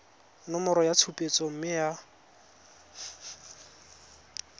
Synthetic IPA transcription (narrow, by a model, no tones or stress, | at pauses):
nʊmʊɾɔjat͡sʰupʼet͡sʼɔm̩mɪja